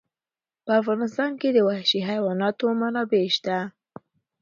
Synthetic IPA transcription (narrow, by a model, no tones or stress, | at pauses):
pəafɣɑnɪst̪ɑnked̪əwahʃiɦajwɑnɑt̪omanɑbeʃt̪a